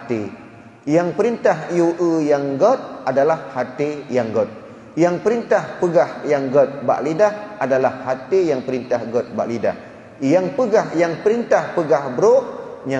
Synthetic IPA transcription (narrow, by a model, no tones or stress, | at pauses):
t̪e | jaŋpəɾint̪aɦjuʔəjaŋɡɔt̪̚adalahːat̪ejaŋɡɔt̪̚ | jaŋpəɾint̪ahpəɡahjaŋɡɔt̪̚ba̰ʔlidahʔadalahːat̪ejaŋpəɾint̪ahɡɔt̪̚ba̰ʔlida̰h | jaŋpəɡahjaŋpəɾint̪ahpəɡahbɾoʔɲa